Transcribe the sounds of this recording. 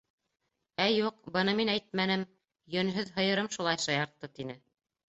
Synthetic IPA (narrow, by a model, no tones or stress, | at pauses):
æjuqbɤ̆nɤminæjt̪̚mænɘm | jɵ̆nɦɵðɦɤ̆jɤ̆ɾɤmʃulˠɑjʃɑjɑɾt̪ːɤt̪inɘ